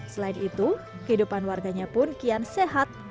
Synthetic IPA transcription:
səlaɪnit̪u | kəhidupanwarɡaɲapʊnkianseɦat̪̚

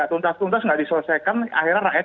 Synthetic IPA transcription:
at̪unt̪ast̪unt̪asŋɡaʔdisələsajkana̰xiɾarajɛ

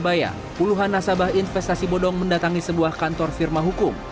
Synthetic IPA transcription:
baja̰ | puluɦanːasabahinfɛst̪asibɔdɔŋməndat̪aŋisəbuahkant̪ɔrfirmaɦukʊm

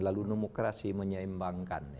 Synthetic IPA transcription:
lalunemokɾasiməɲaimbaŋka̰n

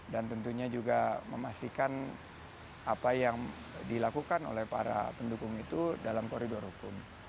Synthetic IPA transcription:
dant̪ənt̪uɲad͡ʒuɡaməmast̪ikan | apajaŋ | dilakukano̰lɛhpa̰ɾa̰pəndukʊŋit̪udalamkoɾidɔrhukʊm

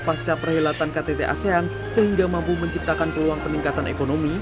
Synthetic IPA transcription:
past͡ʃapərhelat̪ankat̪et̪eʔa̰sean | səɦiŋɡamampuməɲt͡ʃip̚t̪akankəluaŋpəniŋkat̪anḛkonomi

